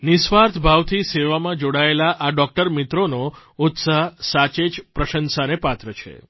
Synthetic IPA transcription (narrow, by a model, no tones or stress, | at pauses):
nisʋaɾt̪ʰbʱaʋt̪ʰiseʋamãd͡ʒoɽaelaʔaɖɔk̚ʈəɾmit̪ɾono | ʊt̪saɦsat͡ʃed͡ʒpɾəʃənsanepat̪ɾət͡ʃʰḛ